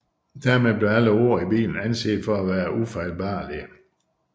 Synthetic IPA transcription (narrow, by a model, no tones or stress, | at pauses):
d̥æɐ̰meðˠb̥le̝æləo̝ɐ̰ib̥ḭːln̩ænse̝̰ːd̥fɒ̽æʋæːɐʔufɑɪlb̥ɑ̈ːliə